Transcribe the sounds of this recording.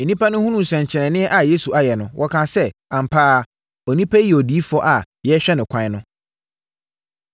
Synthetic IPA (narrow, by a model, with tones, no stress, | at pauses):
e˨nĩ˦pʰa˦nʊ̃˦hũ˦nũ˦m˨sɛ̃˨ɲ˨t͡ɕʰɪ˨ɾɛ̃˨nɪ̃˦ɛ˦ʔa˨je˦su˨a˨jɛ˨nʊ̃˨wʔɔ˦kʰã˨sɛ˦ã˨m˨pʰaː˦ | ɔ˨nĩ˦pʰa˦ɛ˨ɔ˨diː˨˦fɔ˦ʔa˨ | jɛ˦ɕᶣɛ˦nɪ̃˨kʷʰã˦ɪ˦nʊ̃˦